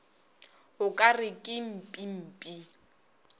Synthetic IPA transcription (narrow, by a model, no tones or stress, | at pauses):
hʊkʼarɪkʼɪm̩pʼim̩pʼi